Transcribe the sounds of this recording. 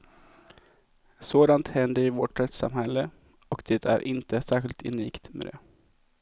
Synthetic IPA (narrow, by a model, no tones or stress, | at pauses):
soːd̪ant̪hɛnd̪əɾɪvɔʈɾɛt̪sa̰mhɛlːə | ɔkd̪̥et̪ʰæ̰ɾʔɪnt̪əsæːɾɧɪlt̪ʰɪ̰niːkt̪mɛ̰d̪ɛ̰